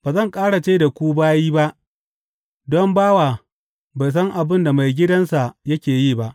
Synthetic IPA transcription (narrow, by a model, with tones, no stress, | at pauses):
b̥aː˨zɐ˦˨ŋkʼaː˦ɽa˨t͡ʃe˦da˨kʷuː˦baː˦jiː˦ba˦ʔ | dɔ˦mbaː˦waː˨ | ba˨js̬ɐ˦ŋʔa˨bɪ˦nda˨ma˨jɡʲɪ˦dɐ˦nsa˨jɐ˦kʲeː˨jiː˦˨ba˦ʔ